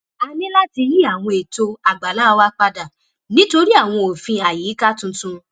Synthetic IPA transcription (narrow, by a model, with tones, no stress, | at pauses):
a˧nĩ˦la˦ti˧ji˦a˦˨w̃ɔ̃˧e˨to˧a˨ɡ͡ba˨la˦˧wa˦k͡pa˧da˨ | nĩ˦to˧ɾi˦a˦˨w̃ɔ̃˧o˨fĩ˧a˨jiː˨˦ka˦tũ˧tũ˧